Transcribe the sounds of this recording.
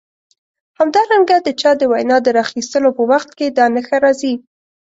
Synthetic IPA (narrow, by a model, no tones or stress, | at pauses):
hamd̪ɑɾaŋɡad̪ət͡ʃɑd̪əwajnɑd̪əɾɑxist̪əlopəwaxt̪ked̪ɑnəxaɾɑzi